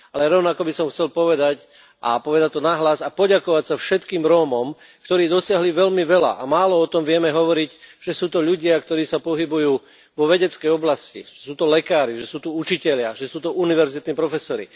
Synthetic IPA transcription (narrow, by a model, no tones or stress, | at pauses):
alɛɾɔʊnakɔbisɔmxt͡sɛlpɔʋɛd̪ac | ʔapɔʋɛd̪ac̚t̪ɔnaɦlazapɔɟakɔʋacsafʃɛt̪kiːmɾɔːmɔm | kt̪ɔɾiːd̪ɔsɪaɦliʋɛʎmiʋɛla̰ʔamaːlɔɔt̪ɔmʋɪɛmɛɦɔʋɔɾiɟʒ̥ɛsuːt̪ɔʎuɟɪakt̪ɔɾiːsapɔɦibujuː | ʋɔʋɛɟɛt͡skɛjɔblascḭʒ̥ɛsuːt̪ɔlɛkaːɾiʒɛsuːt̪uut͡ʃicɛʎɪaʒɛsuːt̪ɔʔuniʋɛɾzit̪niːpɾɔfɛsɔɾḭ